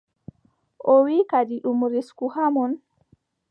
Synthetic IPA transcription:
ʔɔwikadiɗumɾiskuhamun

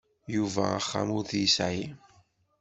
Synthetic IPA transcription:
juvæ̰əχːa̰mʊɾθjəsʕi

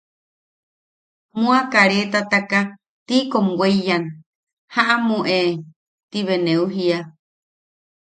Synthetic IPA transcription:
mũakaɾet̪at̪aka | t̪ikomweijan | haʔamũʔe | t̪iβeneuɦia

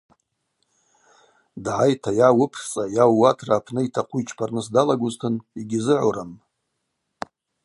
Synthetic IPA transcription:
dʕajtʰajawʊpʰt͡sʼajawːatʰraːpʰnɨitʰaqʷʰuit͡ʃʰpʰarnɨs̬dalaɡʷʊztʰɨniɡʲɪzɨʕʷoɾam

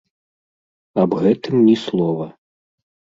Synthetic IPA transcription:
ɐbɣɛt̪ɨmnʲislˠɔvɐ

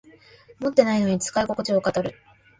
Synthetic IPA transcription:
mo̞t̪ːe̞naino̞ɲ̟it͡sɨ̥kaiko̞kot͡ɕiokat̪aɾɯ̟

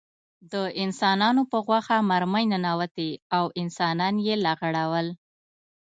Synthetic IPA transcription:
d̪əɪnsɑnɑnopəɣwaxamaɾməjnanawat̪eawɪnsɑnɑnjelaɣaɽawəl

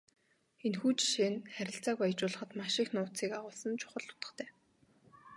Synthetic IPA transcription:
enxuːt͡ɕʃeːnχæɾʲɪ̆ɬt͡saːkajt͡ɕʊːɮə̆χə̆t̪maʃɪ̆ːxnʊːt͡siːkaʁʊːɮsə̆nt͡ɕʰʊ̥χə̆ɮt̪ʊ̥t̪ə̥̆χt̪ʰæː

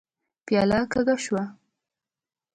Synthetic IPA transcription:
pjɑlɑkaɡaʃwa

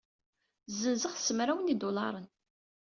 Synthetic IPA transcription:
zənzəʁsəmɾæwənid̪olɑ̰ɾˤən

